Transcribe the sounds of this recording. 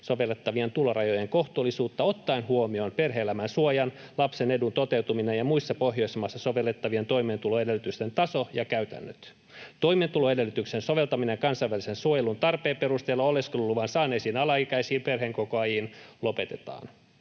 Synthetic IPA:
soʋelːet̪ːɑʋient̪ulorɑjo̞jeŋko̞ht̪uːlːisuːt̪ːɑo̞t̪ːɑinhuomio̞npe̞rɦeelæmænsuojɑnlɑpsene̞dunt̪o̞t̪e̞wt̪uminejɑmuisːɑpoɦjo̞ismɑsːɑso̞ʋe̞lːet̪ːɑʋient̪o̞jmeːnt̪uloe̞delːyt̪yst̪ent̪ɑsojɑkæyt̪æ̰nːøt̪ | t̪o̞jmeːnt̪uloede̞lːyt̪yksenso̞ʋe̞lt̪ɑminekɑnsɑijʋælisensuojelunt̪ɑrpeːpe̞ɾust̪elːɑoleskolulːuʋɑnsɑːneːsiːnɑlɑikæisiːmpe̞rɦeŋko̞koɑjinlo̞pe̞t̪e̞t̪ɑ̰ːn

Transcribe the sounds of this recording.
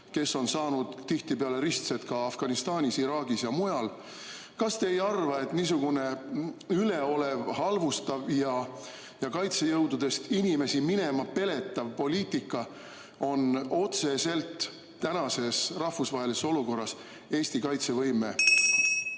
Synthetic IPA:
ke̞sːo̞nsɑːnud̪̥t̪iht̪ipeɑle̞ɾist̪set̪̚kɑɑfɡ̥ɑnist̪ɑːnʲisiɾɑːɡisjɑmujɑl | kɑst̪e̞ːjɑrvɑe̞t̪nisuɡ̥une̞yle̞o̞le̞vhɑlvust̪ɑvjɑ | jɑkɑjt̪se̞jɤwd̪ud̪̥e̞st̪inʲime̞simine̞mɑpe̞le̞t̪ːˑɑvpo̞lʲiːt̪ːˑikːˑɑ | o̞no̞t̪se̞se̞lt̪ː | ænɑse̞srɑhfusvɑɦe̞liseso̞luko̞rːɑs | e̞ːst̪ikɑjt̪se̞vɤ̞jme

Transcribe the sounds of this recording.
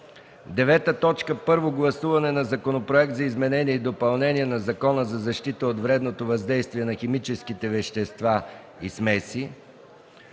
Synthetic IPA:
d̪ɛvɛt̪ət̪ɔt͡ʃkəpɤɾvoɡlˠɐsuvɐnɛnɐzɐkonopɾoɛk̚t̪zɐizmɛnɛniɛid̪opɐlˠnɛniɛnɐzɐkɔnəzɐzɐʃt̪it̪əot̪vɾɛd̪not̪ovɐzd̪ɛjst̪viɛnɐxɛmit͡ʃɛsk̟it̪ɛvɛʃt̪ɛst̪va | ismɛsi

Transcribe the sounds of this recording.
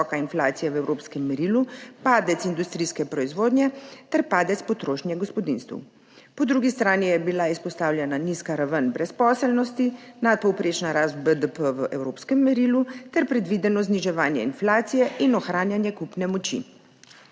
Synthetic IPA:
ɔkainflaːt̪sijɛʋɛwɾoːpskɛmːɛɾilupaːd̪ɛt̪sind̪ust̪ɾiːskɛpɾɔizʋoːd̪nʲjɛt̪ɛɾpaːd̪ɛt̪spɔt̪ɾoːʃnjɛɡɔspɔd̪inst̪ʋṵ | pɔd̪ɾuɡist̪ɾaːnijɛbilaispɔst̪aːwlʲjɛnaniskaɾaʋənbɾɛspɔːsɛlnɔst̪inat̪̚pɔwpɾeːt͡ʃnaɾast̪̚bəd̪əpəʋəʔɛwɾoːpskɛmːɛɾiːlut̪ɛɾpɾɛd̪ʋid̪ɛnɔzniʒɛʋaːnjɛinflaːt̪sijɛʔinɔxɾaːnjanjɛkupnɛmɔt͡ʃḭ

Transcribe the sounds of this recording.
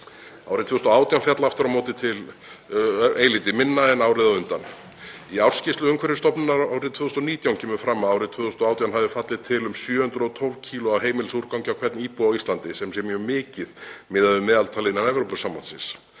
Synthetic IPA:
a̰ːwɾɪt̪ʰvʏːst̪ːɔaːwt̪jawnfjat̪laft̪ɪɾamɔːt̪ɪt̪ʰɪl | eːjliːt̪ɪmɪnːaɛnawɾɪðaʏnt̪an | iawr̥scɪst̪ʏʏmkʰvɛɾɪst̪ɔpnɪnaɾaːwɾɪðt̪ʰvʏːðʏst̪ɔniːt̪jawncʰɛːmʏfɾaːmːaawɾɪðt̪ʰʏːʏst̪ɔaːwt̪jawnɦavðɪfat̪lɪt̪ʰɪlʏmsjœːhʏnt̪ɾʏɔt̪ʰɔlvcʰiːlʊawɦeːjmɪlsuɾkawɲcɪawkʰvɛɾt̪niːpuawist̪lant̪ɪsɛmsjɛɾmjœːmɪːcɪðmɪːðaðʏmːɛːðalt̪ʰalɪnanɛvɾowpʏsamːant̪sɪ̰̃ns

